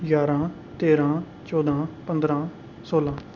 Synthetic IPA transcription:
jaːɾãː | t̪eːɾãː | t͡ʃɔːd̪ʱãːpə̃nd̪ɾãː | soːlãː

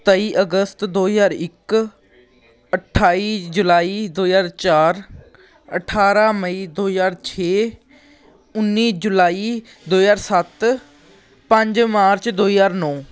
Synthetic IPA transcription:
t̪əiːʔəɡəst̪d̪oːzaːɾɪk | əʈʰaːiːd͡ʒʊlaːiːd̪oːjaːɾt͡ʃaːɾ | əʈʰaːɾaːməiːd̪oːjaːɾt͡ʃʰeː | ʊnːiːd͡ʒʊlaːiː | d̪oːjaːɾsət̪ | pə̃ɲd͡ʒmaːɾt͡ʃd̪oːjaːɾnɔː

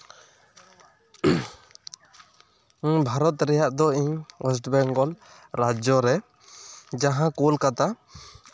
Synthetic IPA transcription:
bʱaɾɔt̪ɾɛjaʔd̪ɔiɲwɛs̬ʈbɛŋɡɔl | ɾad͡ʒɔɾɛ | d͡ʒaɦãkolkat̪a

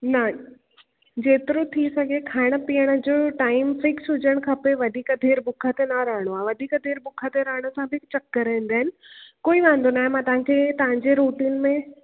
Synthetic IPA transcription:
nɐ | d͡ʑeːt̪ɪɾot̪ʰisɐɡʱekʰaːɪɽ̃ə̆piːəɽ̃ə̆d͡ʑoːʈaːɪmfɪksɦʊd͡ʑəɽ̃kʰɐpeʋɐd̪ʱiːkəd̪ʱeːɾbʊkʰət̪enɐɾɐɦɽ̃oaːʋɐd̪ʱiːkəd̪ʱeːɾbʊkʰət̪eɾɐɦɪɽ̃əsãbʱɪɪkt͡ɕɐkːɐɾĩːn̆d̪aːɦɪnɪ̆koːiʋãːn̆d̪onaːɦemãt̪ɐʋ̤ãkʰeːt̪ɐʋ̤ãɲd͡ʑeɾuːʈiːnmẽ

